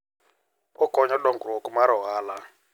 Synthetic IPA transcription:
ɔkʼɔɲɔɗɔŋɡuɾɔkumaɾɔɦaːla

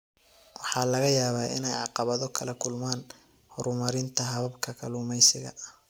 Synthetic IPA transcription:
wɑħɑːlɐɣɐjaːβaːɪ̰nɛjʕɑqɑβɐðɔkʰɐlɐkʰʊlmaːn | hɔɾʊmɐɾɪnt̪ʰɐɦɐβɐbkʰɐkʰɐluːmɛjsɪɣɐ̰

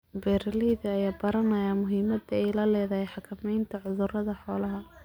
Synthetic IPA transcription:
bɛːɾliðɐɐjaːbɐɾɐnɐjaːmʊɦiːmɐd̪ɛjlɐlɛːðɐhɛjħɑkʰɐmɛjnt̪ʰɐʕʊðʊrɐðɐħɔːlɐɦɐ

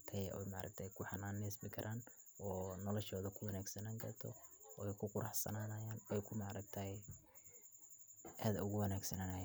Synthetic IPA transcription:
t̪ʰɐjɔ̰jmɑʕɾɐ̰k̚t̪ʰɐjkʰʊħɑnaːnːɪsmɪkʰɐɾʔaːn | ɔːnɔlɔʃɔːðɐkʰʊwɑnaːɡsɐnaːŋkʰɐrt̪ʰɔ̰ɔɛjkʰʊqʊɾɑħsɐ̰naːnɐjaːnɛjkʰʊmɑʕɾɐɡ̚t̪ʰɐhɛ | ʔaːd̪ɐʊɣʊwɐnaːɡsɐnanajaːn

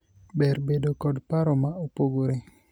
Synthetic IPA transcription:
bɛrbedokɔdpaɾɔmaopoɡoɾe

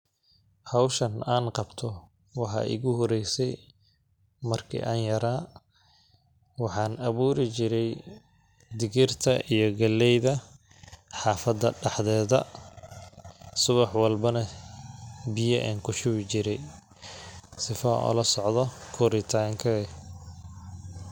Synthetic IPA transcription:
hɑwʃɐnaːnqɑbt̪ʰɔ | wɑħɑ̰ːʔɪ̰ɣʊɦɔɾɛjsɛj | mɐrkʰḭʔaːnjɐɾaː | wɑħɑːnɐβuːɾɪt͡ʃɪɾɛj | d̪ɪɣɪrt̪ʰɐʔijɔɡɐlːɛjðɐ | ħɑːfɐd̪ɐɖɑħðɛːðɐ | sʊβɑħwɑlbɐnɐ | bɪjɐʔɛ̰ːnkʰʊʃʊβɪt͡ʃɪɾɛj | sɪfɐ̰ʔɔ̰lɐsɔʕðɔkʰɔɾɪt̪ʰaːŋkʰɐɛ

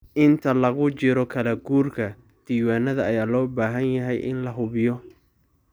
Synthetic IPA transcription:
ʔɪnt̪ʰɐlɐɣʊt͡ʃɪɾɔkʰɐlɐɡuːrkʰɐ | d̪̥iːwaːnɐðɐːjaːlɔːbaːɦɐnjɐɦɛjʔɪ̰nlɐɦʊβɪjɔ

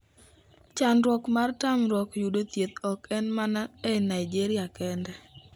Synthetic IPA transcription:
t͡ʃanɾwɔkmartamɾwɔkjudot̪jet̪ɔkɛnmanaɛnaid͡ʒeɾɪakɛndɛ

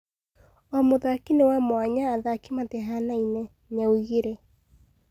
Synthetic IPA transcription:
ɔmoðakinewamoaɲaːðakimateɦanainɛ | ɲauɣiɾe

